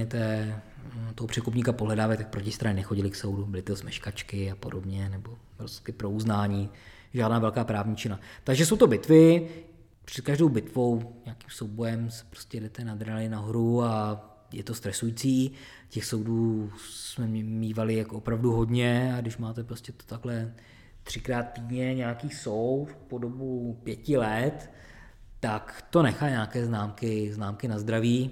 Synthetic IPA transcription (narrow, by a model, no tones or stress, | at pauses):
ɛt̪ɛː | t̪oɦopr̥ɛkupɲiːkapoɦlɛdaːvalɪt̪ak̚pɾocɪst̪ɾaɲnɛxo̞ɟɪlɪksowdubɪlɪt̪osmɛʃkat͡ʃkɪapodobɲɛnɛbo̞ | ɾoskɪpɾo̞uznaːɲiː | ʒaːdnaːvɛlkaːpɾaːvɲiːt͡ʃɪnlat̪aɡʒɛso̞wt̪o̞bɪt̪vɪ | pr̝̥ɛt̪̚kaʒdowbɪt̪vo̞wɲaakiːmso̞wbo̞jɛmsɛ̥pɾoscʲɛdɛt̪ɛnad̪ɾalɪnaɦoɾua | jɛt̪o̞st̪ɾɛsujit͡siː | cɛxso̞wduːsmɛmmiːvalɪjakoopɾavduɦo̞dɲɛaɡdɪʃmaːt̪ɛpɾoscɛt̪o̥t̪aklɛ | t̪r̝̥ɪkɾaːt̪̚ːiːdɲɛɲɛakiːsowt̪podobupjɛcɪlɛt̪ː | akt̪o̞nɛxaːɲaːkɛːznaːmkɪznaːmkɪnazd̪ɾaviː